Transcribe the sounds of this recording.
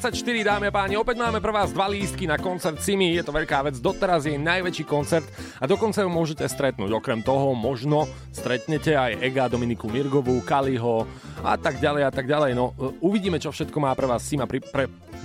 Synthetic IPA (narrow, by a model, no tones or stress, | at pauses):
t͡sacʃt̪iɾid̪aːmiapaːɲiɔpɛɟmaːmɛpɾɛʋaːzd̪ʋaliːst̪̚kinakɔnt͡sɛɾt̪simijɛt̪ɔʋɛʎkaːʋɛd͡zd̪ɔt̪ɛɾazjɛjnajʋɛt͡ʃiːkɔnt͡sɛɾt̪ | ad̪ɔkɔnt͡sajumʊɔʒɛcɛst̪ɾɛt̪̚nṵːɟɔkɾɛmt̪ɔɦɔmɔʒnɔ | st̪ɾɛt̪ɲɛcɛajɛɡad̪ɔminikumiɾɡɔʋukaliɦɔa̰t̪aɡɟalɛjat̪aɡɟalɛjnɔuʋiɟiːmɛt͡ʃɔfʃɛt̪̚kɔmaːpɾɛʋaːsːimapɾipɾɛ